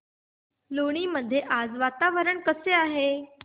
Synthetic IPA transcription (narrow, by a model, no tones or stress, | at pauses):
loɽ̃iməd̪ʱjeʔad͡zʋat̪aʋəɾəɳkəseaɦe